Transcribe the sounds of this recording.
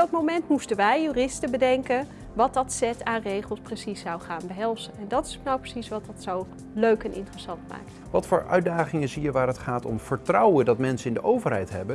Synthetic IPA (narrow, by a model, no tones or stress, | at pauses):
bdɑtmowmɛntmustənʋɛjːyːrɪstəbədɛŋkən | ʋɑt̚dɑtsɛtaːnrejχəlˠsprəsisːɑwχaːnbəɦɛlˠsənɛndɑtɪ̥snawprə̥sisʋɑtdɑtsow | løɥkɛnʔɪ̰ntrəsɑntma̰ːk̚t | ʋɑtfʊːɹʔœ̰ɥdaːχɪŋəzijəʋaːrətχaːtɔ̰mv̥əɹtrɑwəndɑtmɛnsəɪndəʔowvəɹɦɛ̰jtɦɛbən